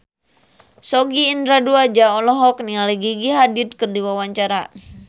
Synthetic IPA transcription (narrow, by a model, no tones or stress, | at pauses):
sɔɡiːndɾaduad͡ʒaɔlɔɦɔk̚nialiɡiɡiɦadit̪̚kɨrdiwawaɲt͡ʃaɾa